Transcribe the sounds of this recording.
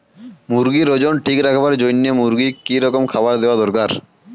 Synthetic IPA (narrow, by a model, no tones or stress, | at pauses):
muɾɡiɾod͡ʑonʈʰikɾakʰabaɾd͡ʑojnːemuɾɡikiɾɔkomkʰabaɾd̪eoad̪ɔɾkaɾ